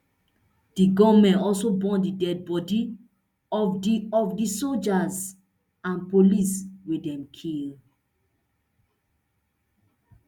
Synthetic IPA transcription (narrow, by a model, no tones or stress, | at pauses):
d̥iɡɔvmɛ̃nɔlsobɔ̃ndidɛd̚bɔdi | ɔiɔfdisold͡ʒaz | ãnpoliswidɛ̃mkʰil